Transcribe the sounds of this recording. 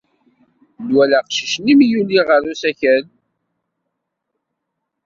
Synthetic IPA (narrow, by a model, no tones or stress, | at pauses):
dwælæqʃi̥ʃnimjuliʁəɾusæçən